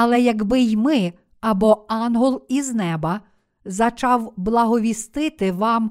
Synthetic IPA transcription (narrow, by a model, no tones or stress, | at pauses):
ɐlˠɛjɐɡbɪjmɪ | ɐbɔɑnɦɔlˠiznɛbɐ | zɐt͡ʃɑwblˠɐɦɔʋʲist̪ɪt̪ɪʋɑm